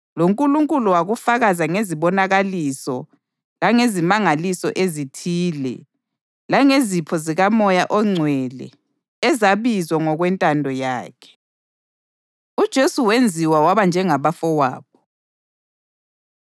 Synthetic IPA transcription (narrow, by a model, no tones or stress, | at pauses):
loŋkʼuluŋkʼuluwaɣufaɣazaŋeziβɔnaɣalisɔ | laŋezimaŋalisɔ̰ʔezitʰiːlɛ̰ | laŋezipʰɔziɣamɔjaʔɔŋ͡ǀʱwɛlɛ̰ | ɛzaβizwaŋɔɣwɛntʼandʱɔja̰ːkʰɛ̥ | ud̥ʒ̥ʱesuwend͡zʱiwawaβand͡ʒʱɛŋaβafɔwa̰ːβɔ